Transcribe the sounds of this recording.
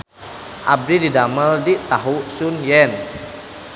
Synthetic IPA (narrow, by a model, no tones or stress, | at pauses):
ʔab̚dididaməldit̪aɦusunjɛn